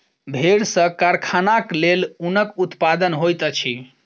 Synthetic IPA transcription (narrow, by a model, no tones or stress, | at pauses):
bʱeɾsə̃kaɾkʰanaklelunəkut̪pad̪ənɦojt̪ət͡ʃʰi